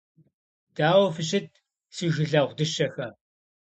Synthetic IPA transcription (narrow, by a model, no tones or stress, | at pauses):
d̥aːwɐfɨɕɪt̚ʰ | siːʒɪɮɐʁʷdɨʃɐxɐ